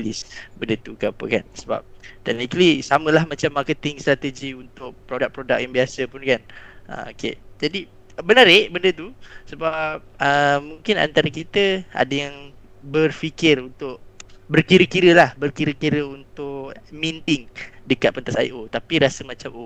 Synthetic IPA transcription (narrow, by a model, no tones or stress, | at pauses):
lisbəndət̪ukəapə̰ka̰nsəba̰p̚t̪ɛk̚nikəlisamə̃lahmat͡ʃamːakət̪ɪŋst̪ɾat̪əd͡ʒiunt̪ʊʔ̚pɾodak̚pɾoda̰k̚jaŋbiasəpʊnkanə̰mo̰kḛd͡ʒadi | bənəɾɪʔbəndət̪usəbap̚əmːuŋkɪna̰nt̪aɾəkit̪əʔa̰dəjaŋ | bərfikɪrunt̪ʊʔbərkiɾəkiɾəlahbərkiɾəkiɾəunt̪ʊʔmint̪ɪŋdəkat̪̚pənt̪asa̰iʔot̪apiɾasəmãt͡ʃamo